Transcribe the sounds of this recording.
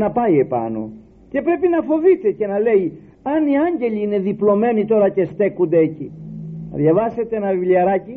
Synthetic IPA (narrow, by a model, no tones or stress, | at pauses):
nɐpɐie̞pɐ̰no̞̰ | ce̞pɾe̞pinɐfo̞vit̪e̞ce̞nɐle̞i | ɐniɐɲɟe̞ʎiine̞ðiplo̞me̞nit̪o̞ɾɐce̞st̪e̞kund̪eeciɐðʝɐvɐse̞t̪eenɐvivliɐɾɐci